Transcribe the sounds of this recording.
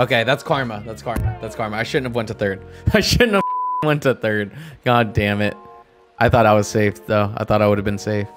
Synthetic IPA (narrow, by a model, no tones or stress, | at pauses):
oʊkeɪðætskʰɑɹməðætskʰɑɹməðætskʰɑɹməaɪʃʊdⁿn̩tɨvwɛ̃ntʰɨθɜ˞d̥̚aɪʃʊdⁿn̩təwɛ̃ntɨθɜ˞d̚ɡ̥ɑdæ̃mɪt̚ | ʔaɪθɔɾaɪwʌz̥seɪfðoʊa̰ɪθɔɾaɪwʊɾɨvbɨ̃nseɪf